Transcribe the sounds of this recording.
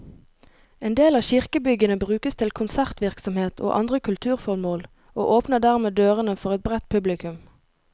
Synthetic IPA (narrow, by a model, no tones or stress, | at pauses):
eːnd̪eːlɑːçɪʁkəbʏɡənəbʁʉːkəst̪ʰɪlkʰʊnsæʁt̪ʋɪʁksɔmheːt̪ʰo̰ːʔɑ̰nd̪ʁəkʰʉlt̪ʰʉːʁfɔʁmoːl | o̰ːʔoːpnəʁd̪æːʁmeːd̪øːʁənəfɔʁɛt̪̚bʁɛt̪̚pʰʉblɪkʉm